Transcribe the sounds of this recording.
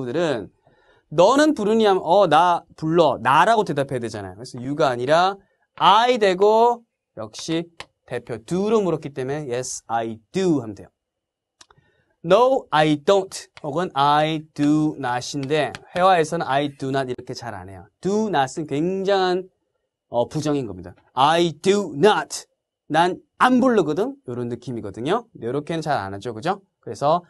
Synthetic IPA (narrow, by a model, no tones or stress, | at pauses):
udɯɾɯn | nʌnɯnpuɾɯɲiɦamʌnapuɭːʌnaɾaɡote̞dapʰedwe̞d͡ʑana̰jo̰kɯɾesʰʌjuɡaːɲiɾa | aidwe̞ɡo | jʌ̰k̚ɕ͈i | te̞pʰjotuɾomuɾʌk͈it͈e̞me̞jesaiduhamdejo | nowajdontʰhoɡɯnaitunaɕʰinde̞he̞wae̞sʰʌnɯnaitunadiɾʌkʰe̞t͡ɕaɾa̰ne̞̰jotunas͈ɯnkwe̞ŋd͡ʑaŋɦan | ʌpud͡ʑʌŋinɡʌmɲida | ajidunatʰ | nan | anbuɭːɯɡʌdɯŋjoɾonɯkʰimiɡʌdɯɲojoɾʌkʰe̞nɯnt͡ɕaɾa̰nad͡ʑokɯd͡ʑo | kɯɾe̞sʰʌ